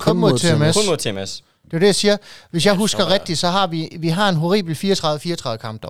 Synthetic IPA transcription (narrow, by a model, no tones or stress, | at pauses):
kʰmmoðˠt͡sʰemesˠʰes | d̥e̝æɐd̥ejɑ̈siːɐʋe̝sjɑ̈ɪɦusɡ̥ɐʁɛɡ̥̚d̥id̥sɒ̽ɦɑ̈ʋiʋiɦɑ̈e̝nɦo̝ʁḭːb̥l̩fiːɐt͡sʰʁɑ̈ððˠəfiːɐt͡sʰʁɑ̈ðð̩ˠəkʰɑ̈m̰b̥d̥ɒ̰